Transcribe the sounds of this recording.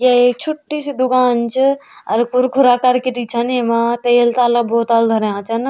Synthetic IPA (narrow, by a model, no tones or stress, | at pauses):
jaek̚t͡ʃʰuʈːisid̪ukaːnt͡ʃʰiɐɾkuɾkʰuɾakaɾkiɾit͡ʃʰənemat̪ejlt̪aləbot̪ald̪ʱəɾeãt͡ʃʰən